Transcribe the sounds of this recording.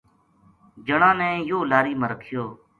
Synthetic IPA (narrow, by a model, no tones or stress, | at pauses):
d͡ʒəɳãːnɛ̃ːjoːlaːɾiːməɾəkʰɪjoː